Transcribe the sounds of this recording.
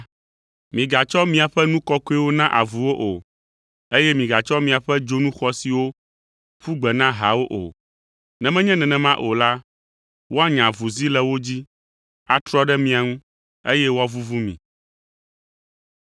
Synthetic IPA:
mĩ˨ɡa˨t͡ʃɔ˦mĩ˨a˨ɸɛ˦nũ˦kɔ˦ko˦i˦wo˦nã˦ʔa˨vu˨wo˦ʔo˨ | e˦jɛ˦mĩ˨ɡa˨t͡ʃɔ˦mĩ˨a˨ɸɛ˦d͡ʒo˦nũ˦xɔ˨si˨wo˦ | ɸu˦ɡ͡bɛ˨nã˦ɦa˨wo˦ʔo̰˨ | nɛ̃˨mɛ̃˦ɲɛ̃˦nɛ̃˨nɛ̃˨mã˦ʔo˨la˦ | wo˦a˦ɲã˨vu˨zi˦lɛ˨wo˦d͡ʑi˦ | a˨t̪ɾɔ˦ɖɛ˦mĩ˨˦a˨ŋũ˦ | e˦jɛ˦wo˦a˨vu˦vu˦mḭ̃˨

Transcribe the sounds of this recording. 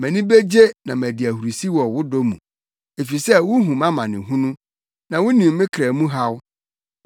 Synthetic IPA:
mæ̃˨nĩ˦be˦d͡ʑe˦nã˨mæ˨dɪ˨æ˨hu˨ɾu˨si˦wɔ˨wʊ˦dɔ˦mṵ̃˨ | e˨fi˨sɛ˦˨wʊ˦ɦũ˨mã˦mã˨nɪ̃˨ɦũ˦nʊ̃˦ | nã˨wʊ˦nĩ˨m˦mɪ̃˦kʰɾɛ˨mũ˦ɦa˦w

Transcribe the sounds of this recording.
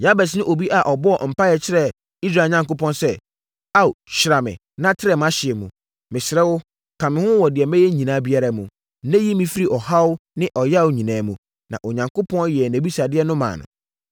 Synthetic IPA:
ja˦bɛ˨s̬nɪ̃˦ʔo˨bi˦ʔa˨ʔɔ˨bɔ˦ɔ̰˦˨m̩˨pa˦jɛ˨t͡ɕʰɪ˦ɾɛ˨ | i˦s̬ɾaː˨ɲã˨ŋko˦pʰɔ̃˦nsɛ˦ | a˦˨u˨ɕɪ˨ɾa˨mɪ̰̃˨ | nã˦tʰɪ˦ɾɛ˨mã˦ɕɪ˨ɛ˨mũ˨ | mɪ̃˨sɪ˨ɾɛ˦wʊ˦ | kʰã˨mɪ̃˨˦hʊ̃˦wɔ˨dɪ˨ɛ˨mɛ̃˦jɛ˦ɲĩ˨nãː˨˦bi˦a˦ɾa˦mũ˨˦ | nɛ̃˦ji˦mĩ˦fi˦ɾi˦ʔɔ˨ha˦wʊ˦nɪ̃˦ʔɔ˨ja˦˨wɲĩ˨nãː˨mũ˨ | nã˨ʔɔ˨ɲã˨ŋko˦pʰɔ̃˦n˦jɛ˨næ̃˨bi˦sa˨dɪ˦ɛ˦nʊ̃˦mã̰ː˨nʊ̰̃˨

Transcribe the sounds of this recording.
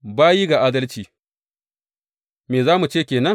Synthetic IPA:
baː˦ji˦ɡa˨ʔaː˦dɐ˦lt͡ʃiː˨ | meː˨zaː˦mu˨t͡ʃeː˦˨kʲeː˨nɐ˦

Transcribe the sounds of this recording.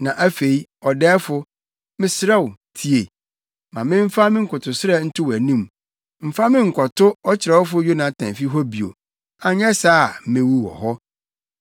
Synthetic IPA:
nã˨ʔæ˦fe˨i˦ɔ˨dɛː˦fʊ˦ | mɪ̃˦sɾɛ˦wʊ˨tʰi˨e˨ | mã˨mɪ̃˦m̩˦fa˦mɪ̃˦ŋ̩˨kʰʊ˨tʰʊ˨sɪ˦ɾɛ˦n̩˦tʰʊ˦wæ˨nũ˦m | m̩˦fa˦mɪ̃˦ŋ̩˨kʰɔ˨tʰʊ˦ɔ˦t͡ɕʰɪ˨ɾɛ˨wʊ˦fʊ˦jo˦nã˨tʰã˨m˨fi˦ɦɔ˦bi˨o̰˨ | a˨ɲɛ˦saː˦˨m̩˨mẽ˦wu˦wɔ̰˨ɦɔ˦

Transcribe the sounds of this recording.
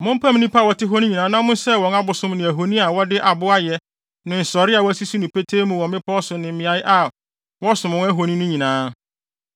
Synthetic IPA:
mʊ̃˦m˦pʰa˦m˦nĩ˦pʰa˦˨wɔ˦tɪ˦ɦo˦nĩ˦ɲĩ˨nã˨˦nã˦mʊ̃˦n˦sɛ˦wɔ̃˨˦na˦bʊ˨sʊ̃˦mnɪ̃˨æ˨ɦo˨nĩ˦a˨wɔ˦dɪ˦ʔa˨bʊ˦a˦jɛ˨ | nɪ̃˨n̩˨sɔ˨ɾɪ˦a˨wɔ˦æ˦si˦si˦nʊ̃˨pʰe˦tʰeː˦mũ˦wɔ̃˨mɪ̃˦pʰɔ˦sʊ˨nɪ̃˨m˨mɪ̃˨a˨˦jɪ˦ʔa˨ | wɔ˦sʊ̃˨mʊ̃˦æ˦ɦo˨nĩ˦nʊ̃˦ɲĩ˨nãː˨˦

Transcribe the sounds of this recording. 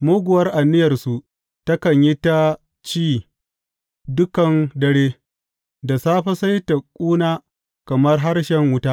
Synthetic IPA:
moː˦ɡʷʊ˨wɐ˦rʔa˨nːɪ˦jɐ˨rsu˨ | tɐ˦kɐ˨ɲji˦ta˦ | t͡ʃiː˦˨ | dʊ˦kɐ˨ndɐ˨ɽeː˦ | da˨saː˦ɸɐ˦sa˦jta˨kʷʼuː˦naː˦ | kɐ˨mɐ˦rɦa˦rʃɛ˨ŋwʊ˦taː˦

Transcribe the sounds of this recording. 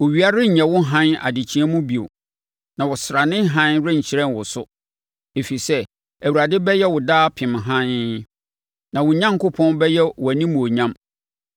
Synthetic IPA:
wo˨ɥi˨˦a˦ɾɪ˦ɲ̩˨ɲɛ̃˨wʊ˦ɦã˦na̰˨dɪ˨t͡ɕʰĩ˦ɛ˦mũ˦bi˨o̰˨ | nã˨wʊ˨sɾa˨nɪ̃˦ɦã˦nɾɪ̃˦ɲ̩˨t͡ɕʰi˨˦ɾɛ̃˦nwʊ˨sʊ˦ | e˨fi˨sɛ˦ | æ˨wu˨ɾa˨dɪ˦bɛ˦jɛ˦wʊ˨daː˦pʰɪ̃˨mɦã˦n | nã˨wʊ̃˨ɲã˦ŋ˦kʊ˦pʰɔ̃˦nbɛ˦jɛ˦wʊ˨æ˨nĩ˦mũ˨o˨ɲã˦m

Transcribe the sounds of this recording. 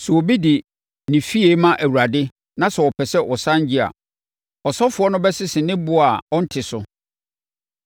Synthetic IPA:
sʊ˨o˨bi˦dɪ˨ | nɪ̃˨fi˦e˦mã˦ʔæ˨wu˨ɾa˨dɪ˦ | nã˦sɛ˨wɔ˨pʰɛ˨sɛ˦ʔɔ˨sã˦ɲ˦d͡ʑɪ˦a̰˨ | ɔ˨sɔ˦fʊ˨ɔ˦nʊ̃˦bɛ˦sɪ˦sɪ˨nɪ̃˦bʊ˦a˨ɔ˦n̩˦tʰɪ˨sʊ˨

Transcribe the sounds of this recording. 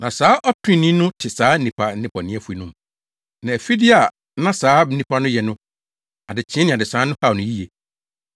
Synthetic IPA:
nã˨saː˨˦ʔɔ˦tʰʊ˦ĩ˦˨nĩ˦nʊ̃˦tʰɪ˨saː˨˦n̩˦nĩ˨pʰa˨n̩˦nɪ̃˦pʰɔ˨nɪ̃˦ɛ˨fu˦i˦nʊ̃˦m | nã˨ɛ˨fi˦dɪ˦a˨ | nã˦saː˨˦m̩˦nĩ˦pʰa˦nʊ̃˦jɛ˨nʊ̃˦ | a˨dɪ˨t͡ɕʰɪ̃˦nɪ̃˨a˨dɪ˨saː˨˦nʊ̃˦ha˦˨nʊ̃˨˦ji˦je˨

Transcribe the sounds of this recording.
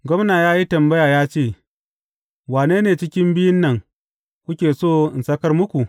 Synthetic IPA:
ɡʷɔ˦mnaː˨jaː˦ji˦tɐ˨mbɐ˦jaː˨jaː˦t͡ʃeː˦˨ | waː˨neː˦neː˨t͡ʃɪ˦kʲɪ˦mbɪ˦jɪ˦nːɐ˨ŋ | kʷʊ˦kʲeː˨soː˦˨ɪ˨nsɐ˦kɐ˦rmʊ˦kʷu˨ʔ

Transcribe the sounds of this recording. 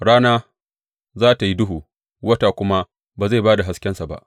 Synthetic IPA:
ɽaː˦naː˦ | zaː˦ta˨ji˦dʊ˦ɦuː˨ | wɐ˦ta˨kʷʊ˦ma˦ | baː˨za˦˨baː˦da˨ɦa˨˦skʲɛ˦nsa˨ba̰˦˨ʔ

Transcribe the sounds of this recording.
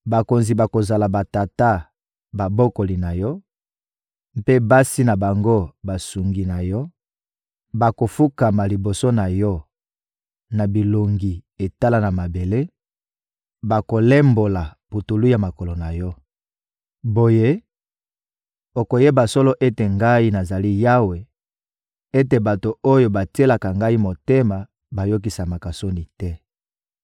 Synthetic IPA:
ba˨ko˨nzi˨ba˨ko˨za˨la˨ba˨ta˨ta˦ | ba˨bo˦ko˨li˨na˨jɔ˦ | mpe˦ba˦si˦na˨ba˨ŋɡo˦ba˨su˨ŋɡi˨na˨jɔ˦ | ba˨ko˨fu˦ka˨ma˨li˨bo˨so˦na˨jɔ˦ | na˨bi˨lo˨ŋɡi˨e˨ta˦la˦na˨ma˨be˨le˦ | ba˨ko˨le˦mbo˨la˨bu˨tu˨lu˦ja˨ma˨ko˨lo˨na˨jɔ˦ | bo˨je˦ | o˨ko˨je˦ba˨so˦lo˦ʔe˦te˨ŋɡa˦i˦na˨za˨li˦ja˦we˨ | e˦te˨ba˨to˨o˦jo˨ba˨ti˦e˦la˨ka˨ŋɡa˦i˦mo˨te˦ma˨ | ba˨jo˦k̬i˨sa˨ma˨ka˨so˦ni˨tɛ˦

